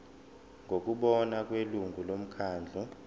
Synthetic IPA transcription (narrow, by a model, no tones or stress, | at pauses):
ŋɡʱok̬ʼuɓɔnak̬ʼweluŋɡʱulom̩kʰaːnd͡ɮʱɔ